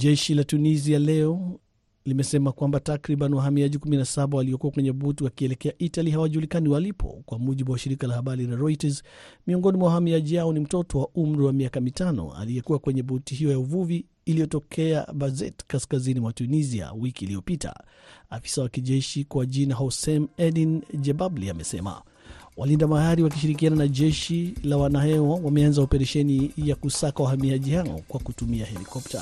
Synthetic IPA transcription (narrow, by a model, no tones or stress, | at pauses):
ʄɛʃilatunizialɛɔ | limɛsɛmakwambatakɾiɓanwaɦamiaʄikuminasaɓawaliɔkuakwɛɲɛbutiwakiɛlɛkɛaʔitaliɦawaʄuulikaniwalipʰɔ̰kwamuʄiɓuwaʃiɾikalahaɓaɾilaɾɔitazmiɔŋɡɔnimwawahamiaʄihaɔnim̩tɔtɔwaʔum̩ɾiwamiakamitanɔ̰a̰lijɛkuwakwɛɲɛbutiɦiɔjauvuviː | lijɔtɔkʰɛa̰bazɛ̰tkaskazinimwatunizia̰wikiːliɔpitʰa̰ | afi̥sawakiʄɛʃikwaʄinaɦɔsɛmɛdind͡ʒɛbabliamɛsɛma̰ | walindamahaɾiwak̬iʃiɾik̬iananaʄɛʃilawanahɛwawamɛanzaɔpɛɾɛʃɛnijakusakawahamiaʄihaɔ̰kwakutumiahɛlikɔp̚ta̰